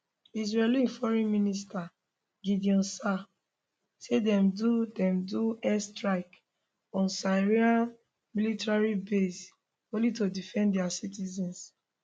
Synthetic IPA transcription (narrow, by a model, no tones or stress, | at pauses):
iz̬ɹɛlĩnfɔɹĩnminista | ɡidiɔ̃nsa | sedɛ̃mdudɛ̃mduɛstɹaɪk | ɔ̃nsaɹia | militaɹibes | õlitodifɛ̃ndɛasitizɛ̃ns